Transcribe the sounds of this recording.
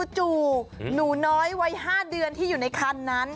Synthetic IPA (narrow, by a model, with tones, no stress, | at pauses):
t͡ɕuː˨˩nuː˩˦nɔː˦˥jwa˦˥jɦaː˥˩dɯ˧ənt̪ʰiː˥˩uː˨˩na˧jkʰaː˧˩nːa˦˥n